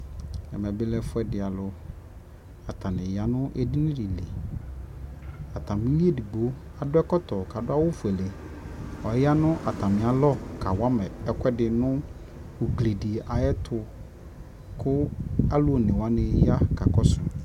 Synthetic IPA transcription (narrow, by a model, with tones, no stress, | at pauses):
ɛ̰˨mɛ̃˨bɪ˦lɛ˦fʊ˦ɛ˦dɪ˨a˨lʊ˨ | a˨tʰa˨nɪ̃˨ja˨nʊ̃˦ʔe˦di˦nɪ̃˦dɪ˨lḛ˨ | a˨tʰa˨mɪ̃˦li˦e˦˨di˨bo˨˦ | a˨dʊ˦ɛ˦kɔ˦tɔ˨ka˨dʊ˦a˦wʊ˦fu˨ɛ˨le˨ | ɔ˨˦ja˦nʊ̃˦ʔa˨tʰa˨mɪ̃˨a˨lɔ˦kʰa˨wa˦mɛ˨ɛ˨kʷɛ˦dɪ˨nʊ̃˦ | wu˨kle˨di˨a˨jɛ˦tʰʊ˨ | kʰʊ˦a˦lʊ˦o˨nɪ̃˨wa˦nɪ̃˦ja˦ka˨kɔ˦sʊ˨